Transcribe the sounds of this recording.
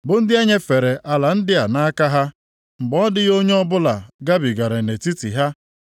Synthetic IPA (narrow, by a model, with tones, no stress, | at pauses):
bʊ˨n̩˦dɪ˦e˦ɲe˦fe˨ɾe˨ʔa˨la˨n̩˦dɪ˦a˨na˦ka˦ɦa˦ | ŋ͡m̩˨ɡ͡bɔ˦dɪ˦ɣo˦ɲe˦ɔ˦bʊ˦la˨ɡa˦bi˨ɡa˨ɾe˨ne˨ti˦tḭ˨ɦa˦